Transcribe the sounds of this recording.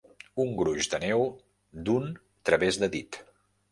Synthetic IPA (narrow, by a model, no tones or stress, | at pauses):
uŋɡɾuʒd̪ənɛw | d̪un | t̪ɾəβezðəðit̪